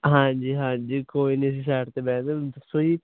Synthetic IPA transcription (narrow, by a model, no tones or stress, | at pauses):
ɦãːɲd͡ʒiːɦãːɲd͡ʒiːkoːiːnis̬is̬ɛːʈt̪ebɛ̃ːnd̪esoːiː